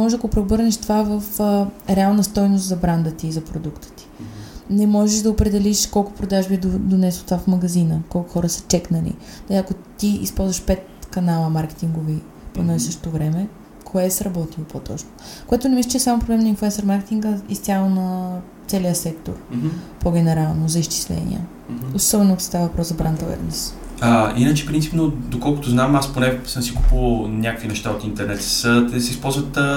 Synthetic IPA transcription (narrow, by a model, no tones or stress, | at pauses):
mɔʒʒɐkopɾebɤɾnɛʃt̪ovavɐfɾɛalˠnəst̪ɔjnost̪zɐbɾand̪ət̪izɐpɾod̪ukt̪ə̥t̪i̥nɛmɔʒɛʒd̪ɐopɾɛd̪ɛliʃkɔlˠkʊ̥pɾod̪aʒbid̪od̪onɛsot̪vafmɐɡɐzinəkɔlˠkʊxɔɾəsə̥t͡ʃɛknəlḭ | d̪ɐliɐkot̪iḭspɔlˠzvɐʃpɛt̪kɐnalˠəmaɾkɛ̥t̪iŋɡovi | ponaisəʃt̪o̥t̪ovɾɛmɛ | kʰoɛsɾɐbɔt̪ilˠpot̪ɔ̰t͡ʃnokoɛt̪ʊnɛmislʲət͡ʃɛsamopɾoblɛmnɐinfluɛnsoɾmaɾkɛt̪iŋɡəist̪ʲalˠonɐ | t̪sɛlijəsɛkt̪o̰ɾpoɡʲɛnɛɾalˠnozɐist͡ʃi̥slɛ̰nḭɛ̰ | osɔbɛnosst̪avɐvɐpɾɔszɐbɾant̪ɐlɛ̰ɾnɛsainət͡ʃɛ̥pɾint̪i̥pnod̪okɔlˠkot̪oznamasponɛsəmsiku̥pəlˠnʲjakəkvinɛʃt̪aot̪int̪ɛɾnɛt̪sət̪ɛsɛispɔlˠzvət̪